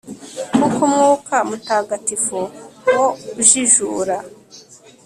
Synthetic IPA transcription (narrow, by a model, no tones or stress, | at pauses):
kukumŋuːkamutaːɡatifuwoʒiʒuːɾa